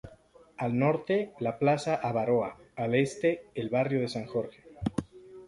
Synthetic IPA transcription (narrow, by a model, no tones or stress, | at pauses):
alno̞ɾt̪e̞laplasaʔaβaɾo̞aːle̞st̪e̞ːlβarjo̞ð̞e̞saŋxo̞ɾxe̥